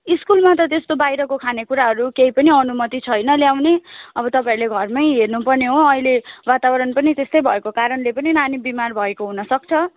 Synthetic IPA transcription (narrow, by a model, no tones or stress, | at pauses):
iskulmat̪̬ʌt̪est̪obajɾʌkokʰanekuɾaɦʌɾukeipʌniʌnumʌt̪it͡sʰʌjnʌljawneʌbʌt̪ʌpãiɾleɡʱʌrmʌjɦernupʌrneɦoʌilewat̪abʌɾʌnpʌnit̪est̪ʌjbʱʌekokaɾʌnlepʌninanibimarbʱʌekoɦunʌsʌk̚t͡sʰʌ